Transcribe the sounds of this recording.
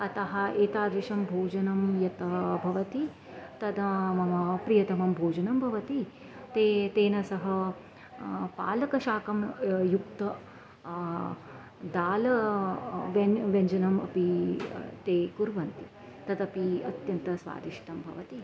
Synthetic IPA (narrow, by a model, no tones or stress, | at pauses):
ɐt̪ɐɦɐ̆eːt̪aːd̪ɾiʂɐmbʱoːd͡ʒɐnɐmjɐt̪ɐbʱɐʋɐt̪i | t̪ɐd̪ɐmɐmɐpɾijɐt̪ɐmɐmbʱoːd͡ʒɐnɐmbʱɐʋɐt̪i | t̪eːt̪eːnɐsɐɦɐ | pa̰ːlɐkɐʃaːkɐmjuk̚t̪ɐ | d̪aːlɐ | ʋeʋɐɲd͡ʒɐnɐmɐ̰pi | t̪eːkuɾʋɐnt̪i | t̪ɐd̪ɐpiɐt̪jɐnt̪ɐsʋa̰ːd̪iʃi̥t̪ɐmbʱɐ̰ʋɐt̪i